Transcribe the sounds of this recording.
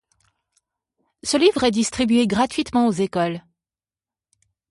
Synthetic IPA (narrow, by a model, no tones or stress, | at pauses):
səlivʁɛd̪ist̪χibɥeɡʁat̪ɥit̪mɑ̃ozekɔl